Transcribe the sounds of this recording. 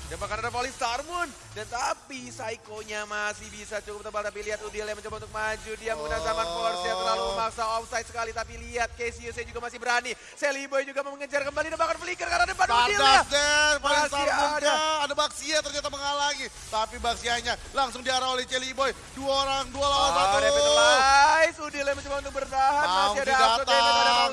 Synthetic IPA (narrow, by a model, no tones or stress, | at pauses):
dabakanadapolɪŋst̪armʊn | dant̪apisaikoɲamasɪhbisat͡ʃukʊp̚t̪əbalt̪apiliɦat̪ud̪iljaməɲt͡ʃɔbaunt̪ʊk̚mad͡ʒudiaməŋənalzamanfɔrsat̪rlaluməmaksaɔfsajt̪səkalit̪apiliat̪̚kesiusajad͡ʒuɡamasɪhbəɾani | selibɔjd͡ʒuɡaməŋəd͡ʒarkəmbalidabakanfəlikərkaɾadəpanadiaadɛnpalint̪aɾmudaːdabaksiat̪ərɲat̪aməŋalaŋi | t̪apibak̚siaɲalaŋsʊŋdiaɾaolɛht͡ʃelibɔj | duaoɾaŋdualawansat̪aa | jsudɪlaməɲt͡ʃobaunt̪ʊk̚bərt̪aɦatmaiadad͡ʒaɔaaa